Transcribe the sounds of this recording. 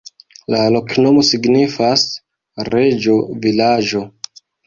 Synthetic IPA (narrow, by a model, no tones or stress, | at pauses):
lalo̞kno̞mo̞siɡnifas | ɾe̞d͡ʒo̞vilad͡ʒo̞